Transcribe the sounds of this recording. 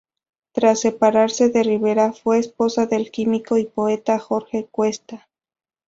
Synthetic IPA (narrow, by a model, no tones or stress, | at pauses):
t̪ɾasːe̞paɾaɾse̞ðe̞riβe̞ɾafwe̞ːspo̞saðe̞lkimiko̞ipo̞e̞t̪axo̞ɾxe̞kwe̞st̪a